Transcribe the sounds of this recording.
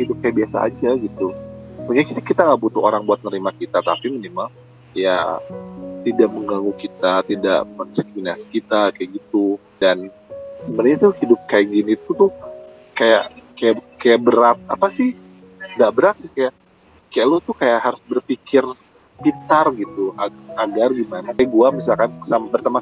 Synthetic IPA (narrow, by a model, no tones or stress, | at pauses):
hidʊp̚kajaʔbiasa̰ːd͡ʒaɡit̪umakakiakit̪aŋaʔbut̪uoɾaŋbuat̪̚nəɾimakit̪at̪apimənimal | ja̰ | t̪idaʔməŋɡaŋɡukit̪at̪ida̰ʔmənsik̚minasi̥kit̪akajaɡit̪u | dan | səmənɲat̪ʊhidʊp̚kajaʔɡinit̪ut̪ʊh | kajaʔkajakajaʔbəɾat̪̚apasɪh | ŋɡaʔbəɾak̪̚sɪhkajaʔ | kajaʔlot̪ʊkajaʔɦaɾʊsbərpikɪr | pit̪arɡit̪uaaɡarɡimanakajaʔɡuamisalkansamabərt̪ama